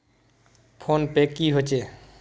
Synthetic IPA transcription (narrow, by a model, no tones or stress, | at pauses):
pʰonpekːiɦot͡ʃe